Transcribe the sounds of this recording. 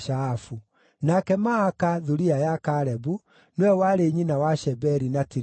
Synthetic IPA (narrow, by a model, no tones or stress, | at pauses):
ʃafu | nakɛmaːkaðuɾiajakaɾɛbu | nwɛwaɾeɲinawaʃɛbɛɾinatiɾ